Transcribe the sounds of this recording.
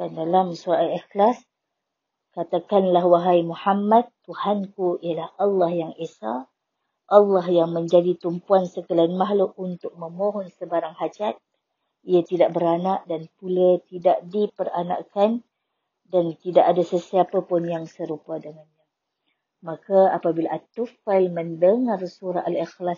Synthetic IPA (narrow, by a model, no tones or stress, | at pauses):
andalamsualɛxlas | kat̪akanlahwaɦajmuħamːad̪uhankuijəlahalːɑhjaŋesa | ʔalːɑhjaŋmə̃ɲd͡ʒadit̪umpuansəkəlanmaɦloʔunt̪ʊk̚mə̃mõɦɔnsəbaɾaŋhad͡ʒat̪̚ | iat̪idaʔ̚bəɾanaʔdanpulat̪idaʔdipərana̰ʔkan | dant̪idaʔadasəsiapapʊnjaŋsəɾupadəŋanɲa | makaapabilaʔat̪ufaɪlməndəŋarsuɾaalixlas